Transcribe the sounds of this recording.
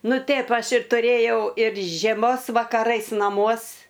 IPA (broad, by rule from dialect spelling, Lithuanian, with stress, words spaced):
ˈnʊ ˈtʲeːp ˈɐʃ ɪr tʊˈrʲeːjɛʊ ɪr ʒʲiɛˈmoːs ʋɐkɐˈrɐɪs nɐˈmuɔs